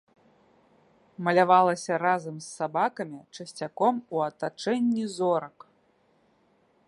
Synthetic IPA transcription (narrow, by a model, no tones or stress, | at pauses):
mɐlʲavalˠɐsʲɐɾazɐmsːabakɐmʲit͡ʂɐsʲt͡sʲakɔmuɐt̪at͡ʂɛnʲːizɔɾɐk